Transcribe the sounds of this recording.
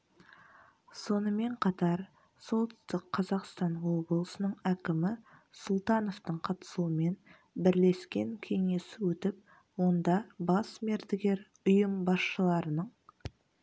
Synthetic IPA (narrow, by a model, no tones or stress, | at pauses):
so̞nəme̞ɴqʰɑt̪ɑɾ | so̞lˠt̪sst̪əqʰːɑzɑqst̪ɑnwo̞blˠəsənəɴækʲɪmɪsʊlˠt̪ɑno̞ft̪əɴqʰɑt̪ə̥suəme̞n | bɪɾle̞skʲe̞ŋkʲʰe̞ŋe̞sɪwɵt̪ɪp | wo̞nd̪ɑbɑsme̞ɾd̪ɪɡʲe̞ɾ | ʊjəmbɑsʃəlˠɑɾənəɴ